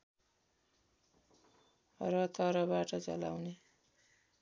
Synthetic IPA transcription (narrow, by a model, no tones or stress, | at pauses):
rʌt̪ʰʌɾʌbaʈʌt͡sʌ̰la̰wne